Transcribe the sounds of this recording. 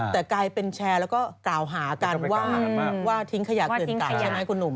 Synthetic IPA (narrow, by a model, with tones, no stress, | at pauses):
t̪ɛː˨˩klaː˧jpe˧nt͡ɕʰɛː˧lɛ˦˥wkɔː˥˩klaː˨˩wɦaː˩˦ka˧nwaː˥˩waː˥˩t̪ʰi˦ŋkʰa˧jaː˨˩˨n˦t̪aː˨t͡ɕʰa˥˩jma˦˥jkʰu˧nːu˨˩m